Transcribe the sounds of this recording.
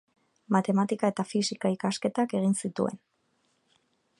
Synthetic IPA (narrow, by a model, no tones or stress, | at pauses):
mat̪e̞mat̪ikae̞t̪afisikaikaske̞t̪ake̞ɣ̞insit̪ue̞̰n